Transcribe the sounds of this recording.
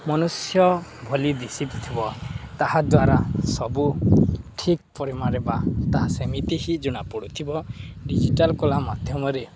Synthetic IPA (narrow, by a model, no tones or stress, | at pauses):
mɔnusjɔbʱɔlid̪isipt̪ʰibɔt̪aɦad̪waɾasɔbuʈʰik̚pɔɾimaɾebat̪aɦasemit̪iɦid͡ʒuɽ̃apɔɽut̪ʰibɔɖid͡ʒiʈalkolamad̪ʱjɔmɔɾe